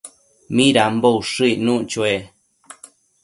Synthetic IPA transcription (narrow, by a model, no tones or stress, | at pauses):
mĩɾambouʂɨinũʔt͡ʃoe